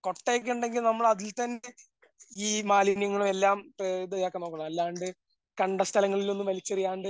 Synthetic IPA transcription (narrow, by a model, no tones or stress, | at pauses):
ko̞ʈːeːk̬ʲːuɳɖe̞ŋɡilnɐmːɐɭɐðilt̪ɐnːe̞ | iːmaːlinjɐŋːɐɭume̞lːaːmpred̪ɐjaːkːɐno̞ːkːɐɳɐmɐlːaːɳɖɨ | kɐɳɖɐst̪ʰɐlɐŋːɐɭilo̞nːumʋɐlit͡ɕːɐrijaːɳɖɨ